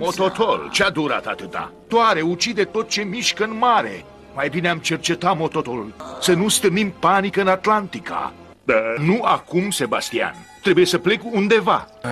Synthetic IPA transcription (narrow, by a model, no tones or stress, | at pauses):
mo̞t̪ot̪ʰolt͡ʃead̪uɾa̰t̪at̪ɨt̪a̰t̪oaɾe̞ut͡ʃid̪et̪o̞t̪̚t͡ʃe̞miʃkəɨnmaɾe̞̰ | majbineamt͡ʃe̞rt͡ʃe̞t̪amo̞t̪o̞t̪olulsənust̪ɨnimpanikəɨnat̪lant̪ika̰ | d̪anuakumse̞ba̰st̪ia̰nt̪ɾe̞buje̞səple̞kund̪e̞va̰